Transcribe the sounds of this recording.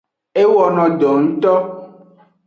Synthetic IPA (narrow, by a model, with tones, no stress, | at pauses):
e˦wɔ˨nɔ̃˨ɖɔ˨ŋ̩˦t̪ɔ˦